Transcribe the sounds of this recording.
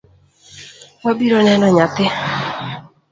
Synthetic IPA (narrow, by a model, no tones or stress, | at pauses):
wabiɾɔnɛnɔɲat̪ɪ